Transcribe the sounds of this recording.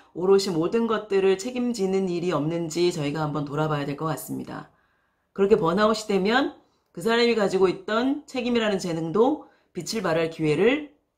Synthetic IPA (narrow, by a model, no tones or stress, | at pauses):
oɾoɕʰimodɯnɡʌt̚t͈ɯɾɯɭt͡ɕʰe̞ɡimd͡ʑinɯniɾiʌmnɯnd͡ʑit͡ɕʌiɡahambʌntoɾabajadwe̞ɭkʌk͈as͈ɯmɲḭda̰ | kɯɾʌkʰe̞pwʌnaoɕʰi̥de̞mjʌn | kɯsʰaɾamikad͡ʑiɡoit̚t͈ʌnt͡ɕʰe̞ɡimiɾanɯnt͡ɕe̞nɯŋdo | pit͡ɕʰiɭbaɾaɭkiwe̞ɾɯɭ